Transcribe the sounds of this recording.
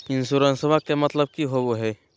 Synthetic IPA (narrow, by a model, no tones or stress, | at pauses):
insuɾənsəbʱakːemət̪ləb̚kiɦoɡoɦɛ